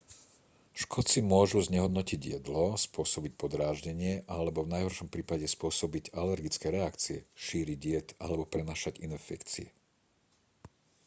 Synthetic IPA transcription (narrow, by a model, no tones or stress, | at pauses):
ʃkʰɔt͡simʊɔʒuzɲɛɦɔd̪nɔciɟjɛd̪lɔspʊɔsɔbic̚pɔd̪ɾaːʒɟɛɲɪɛʔalɛbɔvnajɦɔɾʃɔmpɾiːpaɟɛspʊɔsɔbiɟalɛɾɡit͡skɛɾɛakt͡siɛʃiːɾiɟɪjɛt̪a̰lɛbɔpɾɛnaːʃaɟinɛfɛkt͡siɛ